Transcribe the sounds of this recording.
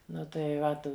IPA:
ˈnʊ tɐɪ ˈʋɐt

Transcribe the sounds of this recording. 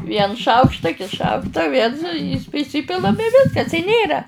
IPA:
ˈʋʲiɛns ˈʃɐʊkʃtɐ ˈkʲɪts ˈʃɐʊktɐ ˈʋʲiɛns pʲrʲɪˈsʲiːpʲɪlˠɐm ɪ ˈʋʲɪskɐs ɪ ˈnʲeːrɐ

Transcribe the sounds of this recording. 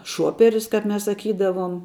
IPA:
ˈʃuɔpʲɛrʲɪs ˈkɐp ˈmʲɛs sɐˈkʲiːdɐʋuɔm

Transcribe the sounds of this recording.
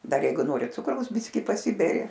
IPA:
ˈdɐr ˈjɛɪɡʊ ˈnoːrʲɪ ˈt͡sʊkrɐʊs ˈbʲɪsʲkʲɪ pɐˈsʲɪbʲɛrʲɪ

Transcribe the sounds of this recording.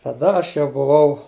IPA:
tɐˈdɐ ˈɐʃ jɛʊ bʊˈʋɐʊ

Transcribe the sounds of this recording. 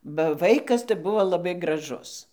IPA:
bɐ ˈʋɐɪkɐs tɐɪ ˈbʊʋoː lˠɐˈbɐɪ ɡrɐˈʒʊs

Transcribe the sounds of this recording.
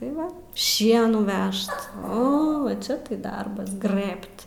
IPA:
tɐɪ ˈʋɐ ˈʃʲiɛnuː ˈʋʲɛʃt ˈoː ʋɐ ˈt͡ʃʲɛ tɐɪ ˈdɐrbɐs ˈɡrɘpt

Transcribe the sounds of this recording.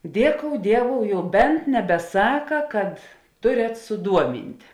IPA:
ˈdʲiɛˌkoːʊ ˈdʲiɛˌʋoːʊ jɛʊ ˈbʲɛnt nʲɛbʲɛˈsɑːkɐ kɐt ˈtʊrʲɛt sʊˈduɔˌmʲɪnʲtʲ

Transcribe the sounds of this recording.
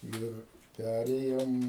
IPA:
ˈɪr ˈpʲærʲeːjoːm

